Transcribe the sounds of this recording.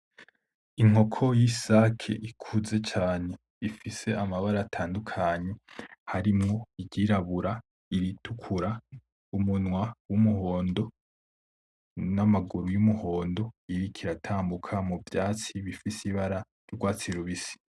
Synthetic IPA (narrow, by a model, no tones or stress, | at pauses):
iŋ̥ho̞kʰo̞jisakʰḛʔikʰuze̞t͡ʃaːne̞ | ifise̞amaβaɾaːtʰaːndukʰaɲe̞haɾimŋo̞iɟiɾaβuɾa | iɾitʰukʰuɾa | umunŋwawumuɦo̞ːndo̞ | namaɡuɾujumuho̞ːndo̞iɾikʰiɾatʰaːmbukʰamuvjaːt͡siβifisiβaɾa | joɾɡwaːt͡siɾuβisi̥